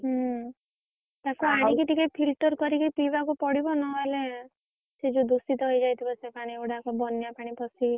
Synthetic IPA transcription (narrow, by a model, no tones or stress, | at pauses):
ɦ | t̪akuaɽ̃ik̬iʈ̪ikepʰilʈɔɾkɔɾikepibakupɔɽibɔnɔale | sed͡ʒũd̪usit̪ɔɦojd͡ʒajt̪ʰibɔsepaɽ̃iewʈakɔbɔnjapaɽ̃ipɔsʰi